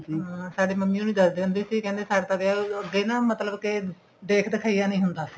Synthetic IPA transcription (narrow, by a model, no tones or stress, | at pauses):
ɦasaːɖeːməmːiːõːnĩːd̪əsd̪eːɦʊnd̪eːsiːkɛ̃ːnd̪eːsaːɖt̪ãd̪eəɡeːnãːmət̪ləbkɪ | d̪eːkʰd̪ɪkʰaːijaːnəĩːɦʊnd̪aːsi̥